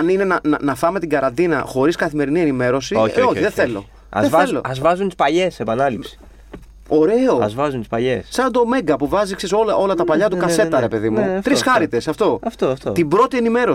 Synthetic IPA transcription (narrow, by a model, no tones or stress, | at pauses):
ɐnine̞nɐnɐnɐfɐme̞t̪iɡɐɾɐnd̪inɐ̰xo̞ɾiskɐθime̞ɾinie̞nime̞ɾo̞siooçiðeθθe̞lo̞̰ | ɐ̰ðeelo̰ɐzvɐzunt̪i̥spɐʎe̞sepɐnɐlipsi̥ | o̞ɾe̞o̞ɐzvɐzunt̪i̥spɐʎessɐnd̪o̞me̞ŋɡɐpuvɐzikseso̞lɐʔo̞lɐt̪ɐpɐʎɐt̪ukɐse̞t̪ːɐɾe̞pe̞ðimut̪ɾisxɐɾit̪e̞sɐft̪o̞ɐft̪oft̪ot̪ibɾo̞t̪ie̞nime̞ɾo̞